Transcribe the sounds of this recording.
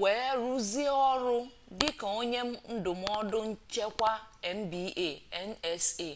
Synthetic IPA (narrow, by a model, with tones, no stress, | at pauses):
weː˨e˦ɾu˦zi˦e˦ɔ˦ɾʊ˦ | dɪ˦ka˨o˦ɲe˦m̩˦n̩˦dʊ˨m̩˦ɔ˦dʊ˦n̩˦t͡ʃe˦kʷa˦e˨m̩˦bi˨˦ʔe˨e˦n̩˦e˨se˦˨